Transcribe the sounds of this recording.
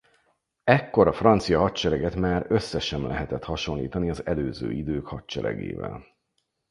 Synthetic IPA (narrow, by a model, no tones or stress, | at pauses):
ɛkːo̞ɾɒfrɒnt̪sijɒɦɒtt͡ʃɛɾɛɡɛt̪maːɾø̞sːɛʃɛmlʔɛɦɛt̪ɛt̪hɒʃo̞nlḭːt̪ɒniɒzɛløːzø̰ːid̪øːkhɒtt͡ʃɛɾɛ̰ɡḛːvɛ̰l